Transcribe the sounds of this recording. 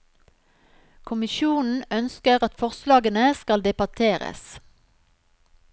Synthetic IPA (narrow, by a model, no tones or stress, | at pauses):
kʰʊmɪʃuːnn̩œnskəʁɑt̪fɔʁslɑːɡənəskɑld̪ɛbɑt̪ʰeːʁə̰s